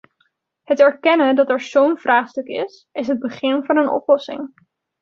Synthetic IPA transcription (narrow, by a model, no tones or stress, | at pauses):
ɦətɛɹkɛnədɑtɛɹzownvraːχstɵkɪ̰s | ɪs̬ɦəd̚bəχɪnvɑnənɔ̰plɔsɪ̰ŋ